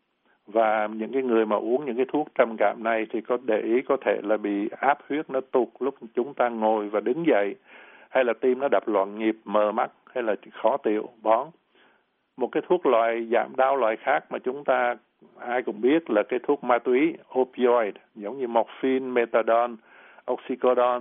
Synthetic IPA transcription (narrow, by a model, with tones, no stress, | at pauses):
vaː˨˩ɲɨ̰˧˥ŋkaː˨˦jŋɨ˨˩əjmaː˨˩ʔu˨˦əŋɲɨ̰˧˥ŋk̬aː˨˦jt̪ʰu˦˥ək̚t͡ɕə˨˩mka̰ː˧˩mna˨˩jt̪ʰi˨˩kɔ˨˦ɗe˨˩ʔi˨˦kɔ˨˦t̪ʰe˧˩laː˨˩ɓḭ˧˨ʔaː˦˥p̚hwi˦˥ət̚nɔ˨˦t̪ʊ˨˩k̚lʊ˦˥k͡p̚t͡ɕʊ˨˦ŋ͡mt̪aː˧ŋo˨˩jvaː˨˩ɗɨ˨˦ŋzə̰˧˨j | ha˧jlaː˨˩t̪i˧mnɔ˨˦ɗa˨˩p̚lwa̰ː˧˨nŋi˨˩p̚məː˨˩ma˦˥t̚ha˧jlaː˨˩xɔ˨˦t̪ḭ˧˨əwɓɔ˨˦n | mo˨˩t̚kaː˨˦jt̪ʰu˦˥ək̚lwa̰ː˧˨jza̰ː˧˩mɗaː˧wlwa̰ː˧˨jxaː˦˥k̚maː˨˩t͡ɕʊ˨˦ŋ͡mt̪aː˧ | ʔaː˧jkʊ̰˧˥ŋ͡mɓi˦˥ət̚laː˨˩kaː˨˦jt̪ʰu˦˥ək̚maː˧t̪wi˨˦ʔo˧pi˧ɔ˧jtzə˨˦wŋ͡mɲɨ˧mɔ˨˩t̚fi˧nme˧t̪aː˧ɗɔ˧n | ʔɔ˦˥wk̚si˧kɔ˧ɗɔ˧n